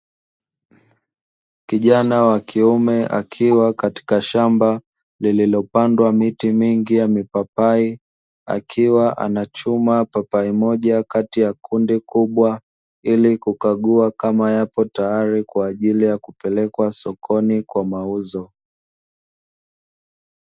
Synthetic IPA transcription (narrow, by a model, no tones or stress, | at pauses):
kiʄanawakʰiumɛʔa̰kʰiwakati̥kaʃamba | lililɔpandwamitimiŋɡijamipapai | a̰kʰiwaʔa̰nat͡ʃumapapaimɔʄakatijakʰundikuɓwa | ilikukaɠuakamajapɔtajaɾikwaːʄilijakupɛlɛkwasɔkʰɔnikwamauzɔ